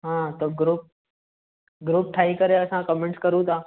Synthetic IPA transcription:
ɦãːt̪oːɡɾuːp̚ | ɡɾuːp̚ʈʰaːikəɾeɐsãkɔmẽɳʈskəɾũt̪ʰãː

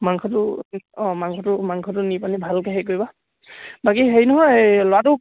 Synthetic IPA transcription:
maŋkʰɔtʊ | maŋkʰɔtʊmaŋkʰɔtʊnipanibʱalkeɦejk̬ojba | bakiɦejnɔɦɔjlɔwatʊ

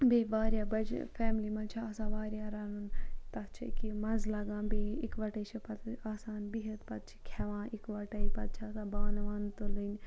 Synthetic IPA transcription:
beːʋaːɾjaːbɐd͡ʒfʰɛːmlimɐ̃ːt͡ʃʰaasãːʋaːɾjaːɾɐnunt̪ɐt͡ʃʰḭkimɐnzlɐɡãːbeikʋɐʈɐt͡ʃʰɐpɐt̪aːsaːnbiɦɐt̪pɐt̪̚t͡ʃʰi̥kʰɐʋãːʔikʋɐʈɐipɐt̪̚t͡ʃʰat̪abaːnʋaːnt̪olun

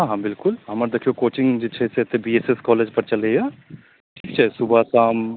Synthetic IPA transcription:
ɦãːɦãbɪlkʊlɦɐməɾd̪ekʰijokoːt͡ʃɪ̃ŋɡd͡ʒɪt͡ʃʰeset̪ebiːeseskɔːleːd͡ʒpɐɾt͡ʃɐleaː | ʈʰiːk̚t͡ʃʰasʊbʱasaːm

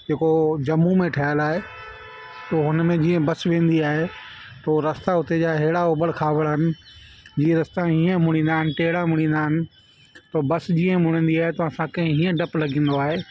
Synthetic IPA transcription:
d͡ʑeːkod͡ʑɐmːumẽʈʰaːjəlaːɦe | t̪oɦʊnmẽd͡ʑiːə̃bɐsʋẽːn̆d̪iaːɦet̪oːɾɐst̪aɦʊt̪ed͡ʑaːɦeɦɪɽaoːbəɽkʰaːʋəɽɦɪnɪ̆d͡ʑiːə̃ɾɐst̪aɦiːə̃mʊɽ̃ĩːn̆d̪aːɦɪnɪ̆ʈeɦɪɽamʊɽ̃ĩːnd̪aːɦɪnɪ̆ | t̪obɐsd͡ʑiːə̃mʊɽ̃ĩːnd̪iaːɦet̪oɐsãkɐ̃ɦɪ̃ɦiːə̃ɖɐplɐɡĩːn̆d̪oaːɦeː

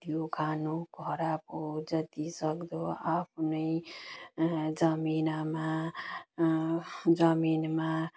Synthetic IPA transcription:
d̪̥ʱjokʰanuɡʱʌɾapod͡zʌt̪isʌkd̪oapʰnʌj | d͡zʌminama | d͡zʌminma

